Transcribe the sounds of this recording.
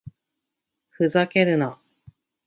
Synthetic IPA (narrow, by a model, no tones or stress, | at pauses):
ɸɯ̟zake̞ɾɯ̟na